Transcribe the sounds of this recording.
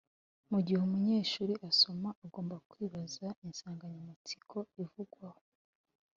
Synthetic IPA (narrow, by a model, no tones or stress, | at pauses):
muɟihumuɲe̞ːʃuːɾiʔaso̞maʔːɡo̞ːmbakwiːβazainsaːŋɡaɲamit͡si̥kʰo̞ivuɡwaho̞̥